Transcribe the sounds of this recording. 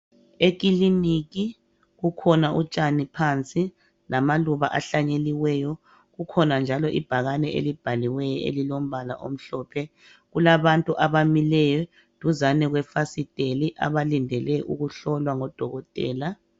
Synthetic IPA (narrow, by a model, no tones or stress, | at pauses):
eɣ̬ʼiliniɣi | ɣukʰɔnaʔut͡ʃʼanipʰant͡sʼi | lamaluβaʔaɬaɲeliwɛjɔ | ɣukʰɔnand͡ʒʱalɔʔib̥ʱaɣanɛʔḛlib̥ʱaliwɛjɔḛlilom̩bʱala̰ʔo̰m̩ɬɔːpʰɛ | ɣulaβantʼuʔaβamilɛjɔ | d̥ʱuzanɛɣwɛfasid̥ʱʼeliʔa̰βalindʱɛlɛʔṵɣuɬɔlwaŋɔd̥ʱɔɣɔtʼɛ̰ːla